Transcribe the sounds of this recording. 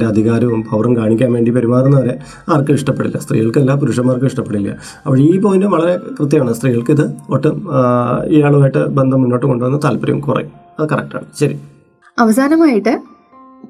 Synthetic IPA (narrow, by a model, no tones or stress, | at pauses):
ɾeɐd̪ʱiɣaːɾɐʋumpʰɐʋrɐmkaːɳikʲːaːnʋe̞ːɳɖipɐɾimaːrenːɐʋɐɾe̞ | aːrkːɨiʂʈɐpːeɽḭlːɐ̰st̪rḭːɣɐɭkɨelːaːpuɾuːʂɐmːaːrk̬ɨʋiʂʈɐpːeɽilːɐ̰ | ɐʋɐɻeiːpoːjndɨʋɐɭɐɾe̞krɨt̪̬ːjɐmaːɳɨst̪riːɣɐɭkiðɨoʈːɨ | iːaːɭumaːjiʈːɨbend̪ʱɐmːunːo̞ːʈːɨko̞ɳɖɨʋɐnːɨt̪aːlpɐɾɐ̰jṵmkurɐ̰j | ɐðɨkɐrḛk̚ʈa̰ːɳɨɕɐɾḭ | ɐʋɐs̬aːnɐmaːjiʈːɨ